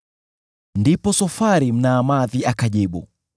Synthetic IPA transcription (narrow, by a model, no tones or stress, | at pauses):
ndipɔsɔfaɾim̩naːmaðiakaʄiɓṵ